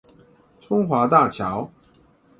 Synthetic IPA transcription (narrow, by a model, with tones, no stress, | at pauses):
t͡sʰʊ˥ŋxwa˧˥t̪a˥˩t͡ɕʰjɑ˨˧˥ʊ